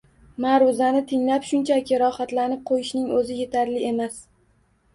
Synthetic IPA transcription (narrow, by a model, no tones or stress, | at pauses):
maɾʊzanɪt̪ʰɪŋlapʃʊnt͡ʃʰakʲɪɾɒhat̪lanɪp̚qʰojɪʃnɪŋɵzɪje̞t̪ʰaɾlɪe̞mas